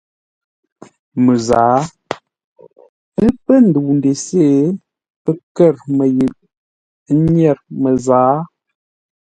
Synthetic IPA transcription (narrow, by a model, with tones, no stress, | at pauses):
mə˨zaː˨˦ | ə˦pə˦n̩˨du˨n˨de˨se˦˨ | pə˦kɛ˦˨ɾmə˨jə˨ʔ | ɲɛ˦˨ɾmə˨zaː˨˦